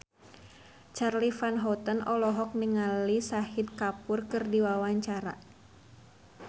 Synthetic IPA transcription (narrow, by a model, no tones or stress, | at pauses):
t͡ʃarlifanɦɔt̪ənɔlɔɦɔk̚niŋalisahit̪̚kapʊrkɨrdiwawaɲt͡ʃaɾa̰